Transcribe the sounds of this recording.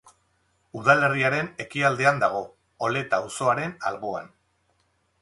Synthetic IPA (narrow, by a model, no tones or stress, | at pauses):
uðale̞riaɾe̞ne̞kiald̪eand̪aɣ̞o̞ː | le̞t̪auso̞aɾe̞na̰lɣoa̰n